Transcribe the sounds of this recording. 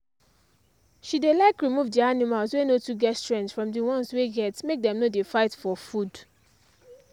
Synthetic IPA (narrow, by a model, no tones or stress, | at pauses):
ʃidelaɪkɹimuvdianimalswenotuɡɛtstɹɛ̃ntfɹɔ̃mdiwɔ̃nsweɡɛtmek̚dɛ̃mnodefaɪtfɔfud